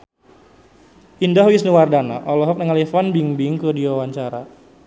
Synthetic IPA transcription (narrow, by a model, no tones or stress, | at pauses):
indaɦwisniwardana̰ʔɔlɔɦɔk̚nəŋalifɔnbiŋbɪŋkədiwawaɲt͡ʃaɾa